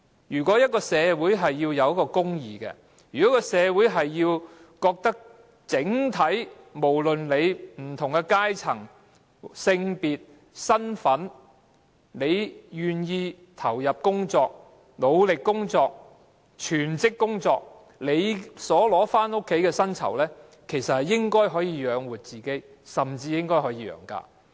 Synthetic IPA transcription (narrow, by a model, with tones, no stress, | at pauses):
jyː˨˩kɔː˨˥jɐ˥t̚kɔː˧sɛː˨˧wu˨˥jɦɐ˨jːiː˧wjɐ˨˧wjɐ˥kːɔː˧kʊ˥ŋjiː˨kɛ̰˧ | jyː˨˩kɔː˨˥kɔː˧sɛː˨˧wuː˨˥jɦɐ˨jːiː˧w | kɔː˧k̚t̪ɐ˥k̚ | t͡sɪ˨˥ŋt̪ʰɐ˨˥j | mo˨˩wlɵ˨nle˨˧jm̩˨˩t̪ʰʊ˨˩ŋkɛ˧kaː˥jt͡sʰɐ˨˩ŋ | sɪ˧ŋpiː˨t̚ | sɐ˥nfɐ˨˥n | le˨˧jjyː˨˩njiː˧ | t̪ʰɐ˨˩wjɐ˨p̚kʊ˥ŋt͡sɔː˧k̚ | lo˨˧wlɪ˨kːʊ˥ŋt͡sɔː˧k̚ | t͡ʃʰyː˨˩nt͡sɪ˥kːʊ˥ŋt͡sɔː˧k̚ | le˨˧jsɔː˨˥lɔː˨˥faː˥nʊ˥kʰːe˨˥jkɛː˧sɐ˥nt͡sʰɐ̰˨˩wlɛː˥ | kʰe˨˩jsɐ˨t̚hɐ˨jɪ˥ŋkɔː˥jɦɔː˨˥jiː˧jœː˨˧ŋwuː˨t̚t͡siː˨˩ke˨˥j | sɐ˨mt͡siː˧jɪ˥ŋkɔː˥jɦɔː˨˧˥jiː˨˧jœ̰ː˨˩ŋka̰ː˧